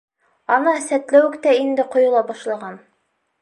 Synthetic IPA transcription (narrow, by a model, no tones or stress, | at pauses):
ɑnɑsæt̪læwɘkt̪æind̪ɘqŏjŏlˠɑbɑʃlˠɑʁɑn